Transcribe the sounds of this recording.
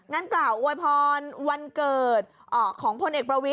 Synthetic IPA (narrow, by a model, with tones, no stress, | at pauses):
ŋaː˧˥nklaː˨˩wʔo˧jpʰɔː˧nwa˧nkɤː˨˩t̪̚ | ʔɔː˨˩kʰɔː˩˦ŋpʰo˧nʔeː˨˩k̚pɾa˧wi˦˥